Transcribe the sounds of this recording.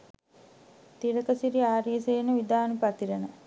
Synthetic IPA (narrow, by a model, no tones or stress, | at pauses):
t̪iɾəkəsiɾiaːɾiəseːnəʋid̪aːnupat̪iɾənə